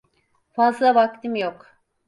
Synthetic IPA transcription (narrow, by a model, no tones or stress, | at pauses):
fazlˠavak̚t̪ʰimjok